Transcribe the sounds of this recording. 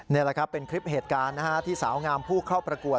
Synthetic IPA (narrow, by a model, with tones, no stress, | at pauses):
ni˥˩la˨˩kʰa˦˥pːe˧nkʰɾi˦˥p̚heː˨˩t̪̚kaː˧nːa˦˥ha˦˥t̪ʰiː˥˩sa̰ː˩˦wŋaː˧mpʰuː˥˩kʰa˥˩wpɾa˧ku˨˩ət̪̚